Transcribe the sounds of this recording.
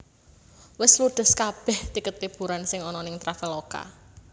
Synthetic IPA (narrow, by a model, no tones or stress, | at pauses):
wɪslud̪̥ə̤skab̥ɛht̪ikət̪̚pib̥uɾansɪŋɔnɔnɪŋt̪ɾafɪloka̰